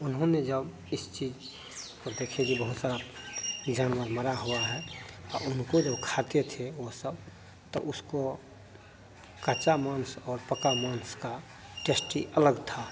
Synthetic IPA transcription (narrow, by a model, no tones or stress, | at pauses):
ʊnɦõned͡ʒəb | ɪst͡ʃiːd͡ʒ | kod̪ekʰekibəɦʊt̪saɾa | d͡ʒaːnʋəɾməɾaɦuaɦɛɔʊnkod͡ʒəbkʰat̪et̪ʰeosəb | t̪ɔ̰ʔʊsko | kət͡ʃamaːnsɔːɾpəkamanska | ʈesʈiʔələɡt̪ʰa